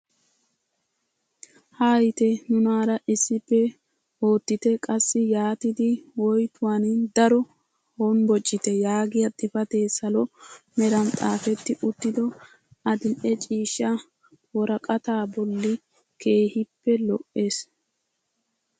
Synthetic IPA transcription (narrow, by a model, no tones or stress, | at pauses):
haːjɪt̪ɛnʊnaːɾɐʔɪsːɪpːɛ | o̞ːt̪ːɪt̪ɛkʼɐsːɪjaːt̪ɪd̪ɪwɔjt̪ʰʊwand̪ɐɾɔ | honbɔt͡ʃʼːɪt̪ɛjaːɡɪjɐt̪ʼɪfɐt̪e̞ːsɐlɔmɛɾɐnt̪ʼaːfɛt̪ːɪʔʊt̪ːɪd̪ɔ | ɐd̪ɪlʔɛt͡ʃʼiːʃːɐ | wɔɾɐkʼɐt̪aːbɔlːɪ | kʰe̞ːhɪpːɛlɔʔʔe̞ːs